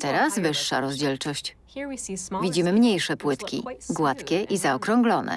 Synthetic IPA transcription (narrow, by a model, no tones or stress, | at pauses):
t̪ɛɾasvɘʂːa̰ɾɔzd͡ʑɛlt͡ʂɔɕt͡ɕ | hvʲid͡ʑimɘmɲejʂɛpwɘt̪kʲḭɡwat̪kʲɛʔizaɔkɾɔŋɡlɔnɛ̰